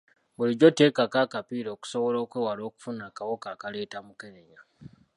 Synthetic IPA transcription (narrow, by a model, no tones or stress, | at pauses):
βuliɟote̞ːkakakapiːɾo̞ːku̥so̞βo̞lo̞ːkweːwalo̞ːku̥funakawokaːkaleːtamukeneɲa